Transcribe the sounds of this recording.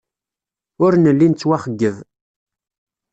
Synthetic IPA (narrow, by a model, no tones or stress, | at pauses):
ʊɾnəlːint͡sːwæχəɡːəv